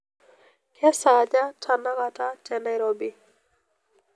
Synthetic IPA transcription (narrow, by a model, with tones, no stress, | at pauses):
kja˦sa˨d͡ʒa˦tʰa˨na˦ka˨ta˦t͡ʃɛ˨na˦jɾobi˦